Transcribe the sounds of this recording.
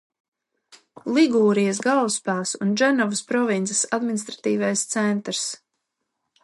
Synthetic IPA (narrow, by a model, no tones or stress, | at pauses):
lˠiɡuːɾijas̬ɡawspaːsunʒɛnɔvəspɾɔvint̪sɛ̥sad̪minist̪ɾat̪iːvajst̪sɛnt̪ɾs